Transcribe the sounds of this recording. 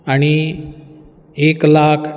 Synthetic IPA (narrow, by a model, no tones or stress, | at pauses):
aɽ̃i | eːklaːkʰ